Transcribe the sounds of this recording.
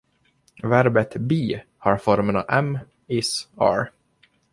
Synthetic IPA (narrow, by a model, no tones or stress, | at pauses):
væɾbət̪biː | hɑɾfɔɾmənɑ̰vɛm | ɪsɑ̰ːɾ